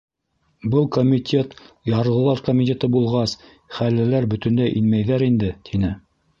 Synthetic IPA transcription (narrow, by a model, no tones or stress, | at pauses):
bɤlˠkomʲit̪ʲʰe̞t̪ | jɑɾlˠɤ̆lˠɑɾkomʲit̪ʲet̪ɤbulˠʁɑs | χælːɘ̆læɾbɵ̆t̪ɵ̆nd̪æʔinmæjðæɾind̪ɘt̪ʰinɘ